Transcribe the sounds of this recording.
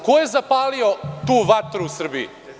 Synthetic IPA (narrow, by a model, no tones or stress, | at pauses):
koje̞zapaːliot̪uːʋat̪ɾuusr̩biḭ